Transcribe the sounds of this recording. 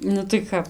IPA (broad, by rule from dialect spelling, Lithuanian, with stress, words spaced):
ˈnʊ tɐɪ ˈkɐp